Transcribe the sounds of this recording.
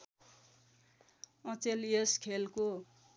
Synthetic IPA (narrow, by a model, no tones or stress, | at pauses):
ʌ̃t͡seleskʰelko